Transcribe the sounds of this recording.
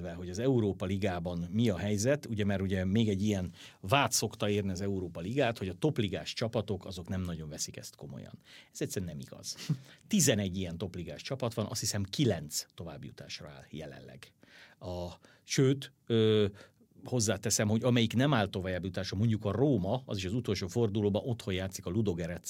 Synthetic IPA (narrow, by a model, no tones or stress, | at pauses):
vɛɦo̞ɟɒzɛuɾoːpɒliɡaːbɒnmiɒɦɛjzɛt̪uɟɛmɛɾuɟɛmeːɡɛɟːijɛnvaːt̪so̞kt̪ɒeːrniɒzɛuɾoːpɒliɡaːt̪ho̞ɟɒt̪o̞pliɡa̰ːʃt͡ʃɒpɒt̪o̞kɒzo̞knɛmnɒɟo̞ɱvɛsikɛ̰st̪ko̞mo̰jɒ̰nɛz̥ɛcsɛɾɛnɛmḭɡ̥ɒ̰z̥t̪izɛnɛɟːijɛnt̪o̞pliɡaːʃt͡ʃɒpɒt̪ʋɒnɒ̰st̪hisɛmkilɛnt̪st̪o̞va̰ːbjṵt̪a̰ːʃrɒ̰a̰ːljɛ̰lɛ̰nlɛ̰ɡ | ɒ | ʃøːt̪ | øː | ho̞zːaːt̪ɛsɛmho̞ɟɒmɛjiknɛmaːlt̪o̞vajabjut̪aːʃɒmo̞ɲɟukɒroːmɒɒziʃɒzut̪o̞lʃoːfo̞rd̪uloːbɒno̞t̪ho̞jaːt̪sikɒlud̪o̞ɡɛɾɛt̪